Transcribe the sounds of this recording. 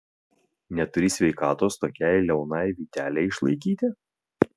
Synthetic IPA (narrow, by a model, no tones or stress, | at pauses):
nʲɛt̪ʊɾʲiːsʲʋʲɛɪkɑːt̪oːst̪oːkʲæjlʲɛʊnɑjʋʲiːt̪ʲæːlʲɛɪɪʃlˠɐ̰ɪkʲiːt̪ʲɪ